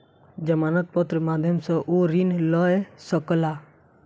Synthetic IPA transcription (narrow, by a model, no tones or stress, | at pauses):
d͡ʒəmaːnət̪̚pɔt̪ɾəmaːd̪ʱjəmsɔ̃ʔoɾinlɔesɔkəlaː